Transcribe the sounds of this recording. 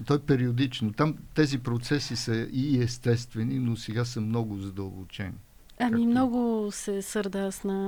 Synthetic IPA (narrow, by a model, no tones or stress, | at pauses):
t̪ɔɛpɛɾiod̪it͡ʃnot̪amt̪ɛzipɾot̪sɛsisəiɛst̪ɛst̪vɛninosɛɡasəmnɔɡʊzɐd̪əlˠbot͡ʃɛ̰n | ɐmimnɔɡʊsɛsɤɾd̪asnɐ